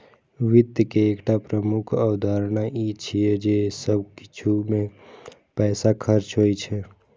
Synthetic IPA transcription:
ʋɪd̪jəkeːkʈapɾəmukʰəwd̪ʱaɾnaʔit͡ʃʰijed͡ʒesəbki̥t͡ʃʰumẽpɛːsakʰəɾt͡ʃɦojt͡ʃʰɛ

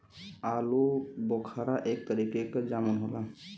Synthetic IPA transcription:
alubɔkʰaɾaʔek̚t̪əɾikekd͡ʒamənɦola

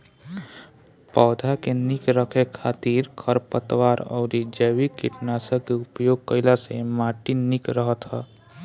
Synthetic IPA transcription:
pɔːd̪ʱakenikɾəkʰekʰat̪iːɾkʰəɾpət̪waɾɔ̰ʊɾid͡ʒəʋikiʈnasə̃keupjoɡ̚kəɪlasemaʈinikɾəɦət̪ɦɛ

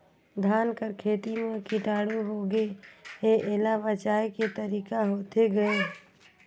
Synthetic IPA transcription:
d̪ʱaːnkəɾkʰeːt̪imẽkɪʈaːɽuɦoːɡeeʔeːlabət͡ʃaːeket̪əɾiːkaɦoːt̪eɡəe

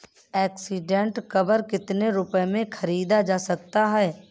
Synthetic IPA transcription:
ɛːksiɖẽɳʈkɐbəɾkɪt̪neɾʊpəemẽkʰɐɾiːd̪ad͡ʒaːsək̚t̪aɦɛː

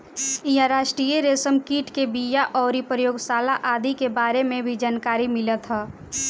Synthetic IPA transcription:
jaɾaːʃʈɾijeɾesəmkiːʈkebijaʔɔːɾipɾəjoːɡsaːlaʔaːd̪ikebaːɾemẽbʱid͡ʒaːnkaːɾimɪlət̪ɦɛː

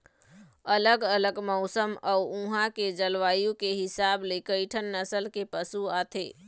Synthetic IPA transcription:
ələɡələɡmɔʊsəmɔːʊuɦãked͡ʒəlʋaːjũkeɦɪsaːblekəɪʈʰənːəsəlkepəsuaːt̪ʰeː

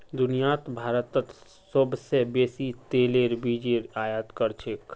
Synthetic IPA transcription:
d̪ʊnijat̪bʱaːɾət̪ːət̪ | səbsebeːsit̪eːleɾbʱiːd͡ʒeɾaːjat̪kəɾt͡ʃʰek

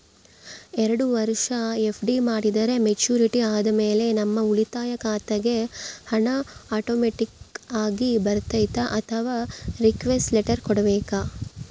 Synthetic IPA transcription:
ɛɾɐɽuʋɐɾʂɐepʰɖimaːɽid̪ɐɾe̞met͡ʃuːɾiʈiaːd̪ɐmeːle̞nɐmːɐuɭit̪aːjɐkaːt̪ɐɡe̞hɐɳɐaːʈoːmeʈikaːɡibɐɾt̪ɐjt̪aʔɐt̪ʰɐʋaːɾikʋesʈleʈɐɾkɔɽɐbɛːka

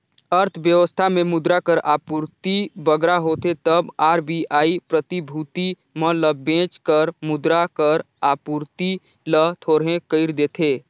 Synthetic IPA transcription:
əɾt̪ʰbjəʋəst̪ʰamemʊd̪ɾakəɾapuɾt̪ibəɡɾaɦot̪et̪əbaːɾbʱiʔaːipɾət̪ibʱut̪i | mələbẽt͡ʃkəɾmʊd̪ɾakəɾ | apuɾt̪i | lət̪ʰoɾɦẽkəɪɾd̪et̪ʰe

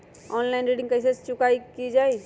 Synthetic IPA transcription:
ɔːnlaɪnɾeɖɪ̃ŋɡkəs̬est͡ʃʊkaikid͡ʒaːi

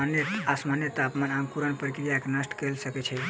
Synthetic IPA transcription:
anjet̪asmanjət̪apmanãŋkuɾənpɾikɾijaeknəsʈkelsəkɛt͡ʃʰɛ

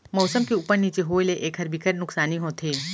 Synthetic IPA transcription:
mɔːsəmkiupəɾniːt͡ʃeɦoːleʔeːkɦɐɾbikəɾnʊksaːniɦõːt̪ʰeː

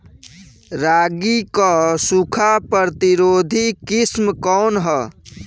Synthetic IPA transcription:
ɾaɡikɔsukʰapɾəɾt̪iɾod̪ʱikismkɔnɦə

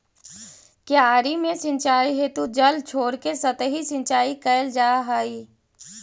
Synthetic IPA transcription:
keaːɾimẽsɪ̃nt͡ʃaːiɦeːt̪ud͡ʒɐlt͡ʃʰoːɽkesɐt̪ɦisɪ̃nt͡ʃaːikəɪld͡ʒaːɦaːiː

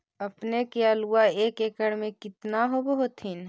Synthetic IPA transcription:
əpnekeaːluaeːkeːkəɽmẽkɪt̪naɦobəɦʊt̪ɦɪn

